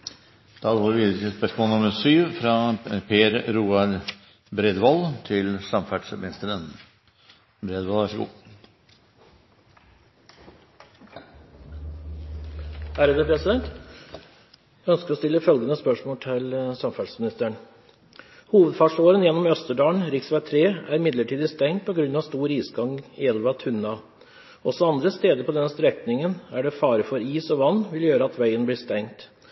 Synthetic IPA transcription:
d̪̥ɑːd̪ʋoːɾʋiːd̪ɾɪəspœʂmoːənʊməɾsyːʋfɾɑpʰeːɾɾuːɑɾ | bɾed̪ʋɔlt̪ʰɪlsɑmfæʈʂmɪnɪst̪əɾən | bɾeːd̪ʋɔlʋæʂəɡṵː | hæːɾəd̪əpʰɾɛsɪd̪ɛnt̪ | jæœnskəɾɔst̪ɪlːəfœlɡənəspœʂmoːʈ̪ʰɪlsɑmfɑlsmɪnɪst̪əɳ | huːʋəd̪fɑːʂoːɾənjɛnːɔmœst̪əɖɑːɳɾɪksʋæt̪ʰɾeːæɾɪmɪd̪ləʈʰiːd̪əst̪ɛŋt̪̚pʰɔɡɾʉnːɑʋst̪uːɾiːsɡɑŋɪɛlʋɑt̪ʰʉnɑ | ɔsɔɑnd̪ɾəst̪eːd̪əɾpʰɔd̪ɛnːəst̪ɾɛkt̪nɪŋənæɖɛfɑːɾəfɔɾiːsɔʋɑnːʋɪljøːɾəɑt̪ʰʋæɪənblɪːʂt̪ɛŋt̪

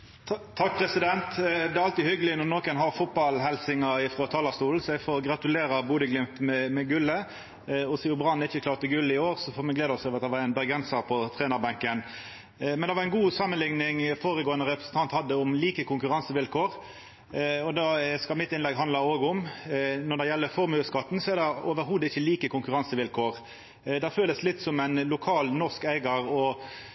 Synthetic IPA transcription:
t̪ʰɑk̚ːpʰɾɛsɪd̪ɛnt̪d̪ɛæɾɑlt̪ihʏɡəlɪnɔnoːkənɦɑɾfʊt̪̚bɑlɦɛlsɪŋɑɪfɾɔt̪ʰɑːlɑst̪uːln̩sɔɛɡfoːɾɡʁɑt̪ʉleːɾɑbuːd̪əɡlɪmt̪mɛmɛɡʉlːə | ɔsiːʊbʁɑnːɪçəkʰlɑːʁt̪əɡʉlːəɪoːʁsɔfoːmɛɡleːd̪ɔsøːʋɑt̪d̪ɛʋɑɾæɪnbɛɡɾɛnsɑɾpʰɔt̪ʰʁeːnɑʁbɑŋkən | mɛnd̪ɛʋɑɾʁæɪnɡuːsɑmənlɪŋnɪŋfoːɾəɡoːənəɾɛpɾʁəsən̩t̪ʰɑnt̪hɑd̪ːəʊmliːkəkʰʊŋkʉɾɑnsəʋɪlkʰoːɾ | ɔd̪ɑskɑlmɪt̪ːɪnlɛɡɦɑnd̪əoːɡʊmnɔʁd̪ɛjɛlːəfɔɾmʉːskɑt̪ːn̩sɔɛɾd̪ɛoːʋəɾɦuːd̪əɪçːəliːkəkʊŋkʉɾɑnsəʋɪlkʰoːʁ | d̪ɛføːləslɪt̪ːsɔmæɪnlʊkʰɑːlnɔʁskæɪɡɑɾɔ

